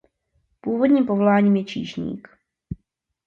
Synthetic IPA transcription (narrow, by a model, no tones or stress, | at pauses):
puːvodɲiːmpovolaːɲiːmjɛt͡ʃḭːʒɲḭːk